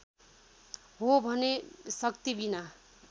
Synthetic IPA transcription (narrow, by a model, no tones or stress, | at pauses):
ɦobʱʌnesʌkt̪ibina